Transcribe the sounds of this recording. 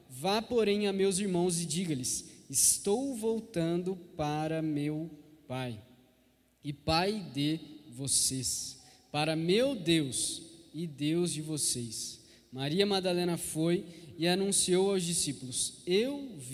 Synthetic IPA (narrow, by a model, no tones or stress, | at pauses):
vapoɾẽj̃ɐmewziɾmɐ̃w̃zɪd͡ʒiɡɐlɪsɪst̪owvowt̪ɐ̃nd̪ʊpaɾɐmewpaj | ɪpajd̪ɪvosespaɾɐmewd̪ewsɪd̪ewzd͡ʒɪvoses | maɾiɐmad̪alẽnɐfojɪanũsiowawzd͡ʒisipʊlʊsewv